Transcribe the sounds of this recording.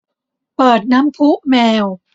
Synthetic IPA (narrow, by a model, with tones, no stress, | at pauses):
pɤː˨˩t̪̚na˦˥mpʰu˦˥ʔmɛː˧w